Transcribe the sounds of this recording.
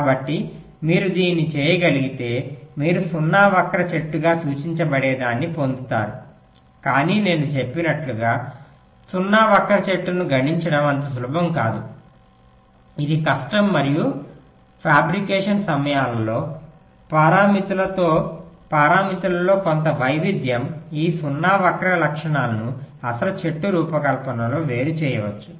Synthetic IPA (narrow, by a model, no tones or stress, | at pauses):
aːbɐʈːi | miːɾud̪iːnːit͡ʃeːjɐɡɐliɡit̪e̞ːmiːɾusunːaːʋɐkːɐɾɐt͡ʃeʈːuɡaːsuːt͡ʃiɲt͡ʃɐbɐɽeːd̪aːnːipo̞nd̪ut̪a̰ːɾu | kaːniːne̞ːnut͡ʃe̞pːinɐʈluɡaː | sunːaːʋɐkɐɾɐt͡ʃe̞ʈːunuɡɐɽiɲt͡ʃɐɽɐmɐnt̪ɐs̬lubʱɐmkaːd̪u | id̪ikɐʂʈɐmːɐɾiju | pʰaːbɾikeːʂɐnsɐmɐjaːlɐlo̞ː | pɐɾaːmit̪ulɐt̪oːpaːɾaːmit̪ulɐlo̞ːko̞nt̪ɐʋɐjʋid̪ʱjɐmiːsunːaːʋɐkɾɐlɐkʂɐɳaːlɐnuɐsɐlɐt͡ʃe̞ʈːuɾuːpɐkɐlpɐnɐlo̞ːʋe̞ːɾut͡ʃɛːjɐʋɐt͡ʃːu̥